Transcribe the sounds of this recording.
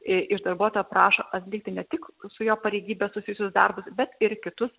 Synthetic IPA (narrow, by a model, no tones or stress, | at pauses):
ɪʔɪʒd̪ɐrbuɔt̪oːjɔpɾɑːʃoːʔɐt̪sʲlʲiːk̚t̪ʲɪnʲɛt̪ʲɪksʊjoːpɐɾʲeɪɡʲiːbʲɛsʊsʲɪjʊsʲʊsd̪ɐrbʊsbʲɛt̪ɪɾkʲɪt̪ʊs